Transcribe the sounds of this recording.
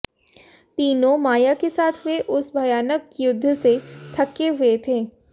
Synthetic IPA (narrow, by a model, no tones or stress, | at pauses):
t̪iːnõmaːjakesaːt̪ʰʋeʔʊsbʱɐjaːnəkjʊd̪ʱːset̪ʰɐkːeɦʊet̪ʰeː